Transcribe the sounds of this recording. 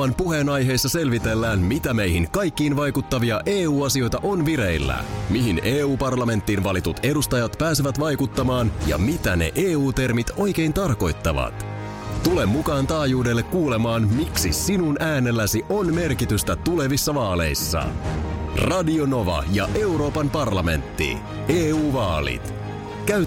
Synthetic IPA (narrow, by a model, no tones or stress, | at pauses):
ɑnpuɦe̞ːnɑjɦe̞ːjsːɑse̞lʋit̪e̞lːæːnmit̪æme̞jɦiŋkɑjkːiːnʋɑjkut̪ːɑʋiɑʔe̞ːuːɑsio̞jt̪ɑʔo̞nʋiɾe̞jlːæ̰miɦineːuːpɑrlɑme̞nt̪ːiːnʋɑlit̪ut̪e̞dust̪ɑjɑt̪pæːseʋæt̪ʋɑjkut̪ːɑmɑːnjɑ̰mit̪æ̰ne̞̰ʔeːuːt̪e̞rmit̪o̞jk̟e̞jnt̪ɑrko̞jt̪ːɑʋɑ̰t̪ | t̪ule̞mːukɑːnt̪ɑːjuːde̞lːe̞kːuːle̞mɑːnmiksḭsinunʔæːne̞lːæsiʔo̞nme̞rkit̪yst̪æt̪ule̞ʋisːɑʋɑːle̞̰jsːɑ̰ | rɑdio̞no̞ʋɑ̰jɑ̰ʔe̞uɾo̞ːpɑmpɑrlɑme̞̰nt̪ːḭ | eːuːʋɑːlḭt̪ | kæy